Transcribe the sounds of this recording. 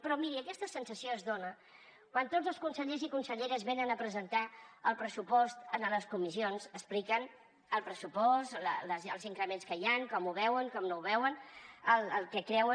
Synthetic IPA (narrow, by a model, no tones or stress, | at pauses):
pɾɔmiɾiəkɛst̪əsənsəsioəzðonə | kwant̪odd͡zzəlˠskunsəʎezikunsəʎeɾəzβenənəpɾəzənt̪aəlˠpɾəsupɔst̪ənələskumisionzəsplikən | əlˠpɾəsupɔst̪lələzəlˠziŋkɾəmenskəjaŋkɔmuβ̞ɛwəŋkɔmnouβɛwənəlˠəlˠkɛkɾɛwə